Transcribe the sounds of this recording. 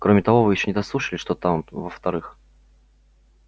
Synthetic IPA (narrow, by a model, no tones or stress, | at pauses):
kɾomʲɪt̪ɐvo̞vɨjɪɕːonʲɪd̪ɐslˠuʂəlʲɪʂt̪ot̪avəft̪ɐɾɨx